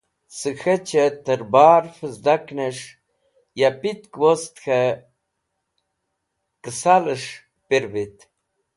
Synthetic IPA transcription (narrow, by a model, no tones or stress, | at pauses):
sɨxet͡ʃʰet̪əɾbaːɾfəzd̪akneʂ | japit̪kwost̪xʰe | kəsaləʂ | piɾbit̪